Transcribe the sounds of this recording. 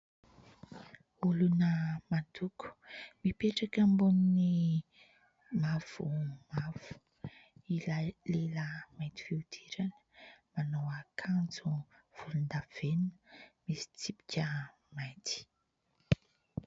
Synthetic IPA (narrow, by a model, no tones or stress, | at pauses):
ulunəmad̪uku̥mipeʈ͡ʂakəmbunini | mav̥umav̥u̥ | ilaleləmajt̪i̥fiud̪̥ʰiɾanə̥manowakʰand͡zuv̥ulund̪av̥enə̥misi̥t͡sipi̥kʲə | majt̪i̥